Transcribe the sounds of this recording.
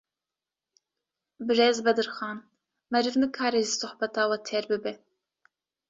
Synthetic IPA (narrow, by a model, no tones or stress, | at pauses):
bɨɾeːzbɛd̪ɨɾxɑːn | mɛɾɨvnɨkʰɑːɾeʒɨsʊhbɛt̪ɑːwɐt̪ʰeɾbɨbɛ